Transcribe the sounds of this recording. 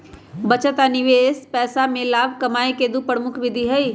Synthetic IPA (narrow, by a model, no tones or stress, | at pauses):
bɐt͡ʃət̪anɪʋeːspɛːsamẽlaːbʱkɐmaːeked̪upɾəmʊkʰʋɪd̪ʱiɦɛi